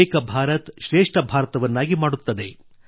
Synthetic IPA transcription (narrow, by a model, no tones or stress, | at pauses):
ikɐbʱaːɾɐt̪ʃɾeːʂʈɐbʱaːɾɐt̪ɐʋɐnːaːɡimaːɽut̪ːɐd̪e̞